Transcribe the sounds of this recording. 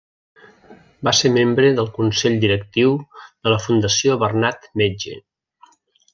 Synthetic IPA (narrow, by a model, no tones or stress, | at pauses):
basemembɾəðəlˠkunsɛʎd̪iɾək̚t̪iwðələfund̪əsioβərnat̪med͡ʒḛ